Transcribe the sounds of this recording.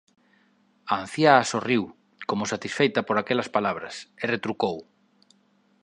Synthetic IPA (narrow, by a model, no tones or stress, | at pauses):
an̟θjaːsoriw | komʊsat̪isfejt̪ɐpoɾakɛlɐspalaβ̞ɾɐseret̪ɾukow